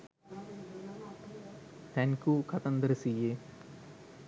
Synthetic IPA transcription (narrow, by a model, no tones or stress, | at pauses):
t̪ɐnkukʰɐt̪ɐnd̪ɾɨsije